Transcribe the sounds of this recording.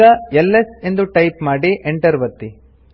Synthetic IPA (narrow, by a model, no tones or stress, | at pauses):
ɐelːese̞nd̪uʈɐjpmaːɽiʔeɳʈɐɾʋɐt̪ːi